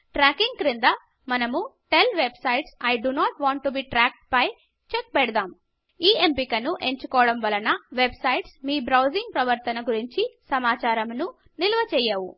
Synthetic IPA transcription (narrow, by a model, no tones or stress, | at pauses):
ʈɾaːkiŋɡkɾind̪ɐ | mɐnɐmuʈelʋebsɐjʈsɐjɖunaːʈʋaːɳʈːubiːʈɾaːk̚ʈ̚pɐj | t͡ʃek̚pɛɽɐd̪aːm | iːempikɐnuʔe̞ɲt͡ʃukɔːɐɽɐmʋɐlɐnɐʋe̞bsɐjʈsmiːbɾɐwd͡ʒiŋɡ̚pɾɐʋɐɾt̪ɐnɐɡuɾiɲt͡ʃisɐmaːt͡ʃaːɾɐmnu | nilɐʋɐt͡ʃɛːjaːʋṵ